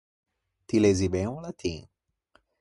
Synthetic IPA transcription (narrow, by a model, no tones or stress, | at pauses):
t̪ilezibẽũlat̪ʰĩ